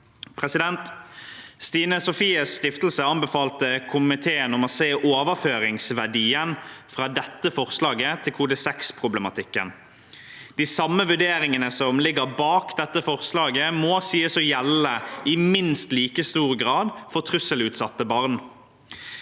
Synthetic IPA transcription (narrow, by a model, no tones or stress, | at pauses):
pʰʁɛsɪd̪ɛnt̪ | st̪iːnəsʊfiːəsːt̪ɪft̪l̩səɑnbɛfɑːlt̪əkʰʊmɪt̪ʰeːənɔmɔseːʔoːʋəføːɾɪŋsʋæɖiːənfɾɑːd̪ɛt̪ːəfɔʁslɑːɡət̪ʰɪlkʰʊd̪ɛsɛkspʰʁʊblɛmɑt̪ʰɪkːə̰n | d̪̥ɪːsɑmːəʋʉɖeːɾɪŋənəsɔmlɪɡːəʁbɑːkd̪ɛt̪ːəfɔʁslɑːɡəmɔsiːəsɔjɛlːəɪmɪnst̪liːkəst̪uːʁɡɾɑːd̪fɔʁt̪ʰʁʉsəlʉːt̪sɑt̪ːəbɑʁn